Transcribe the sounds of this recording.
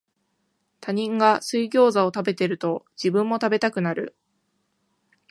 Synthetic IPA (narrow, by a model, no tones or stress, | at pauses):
t̪aɲ̟ĩŋɡasɨiɡʲo̞ːzao̞t̪abe̞t̪e̞ɾɯ̟t̪o̞ | d͡ʑibɯ̟̃mːo̞t̪abe̞t̪akɯ̟naɾɯ̟̰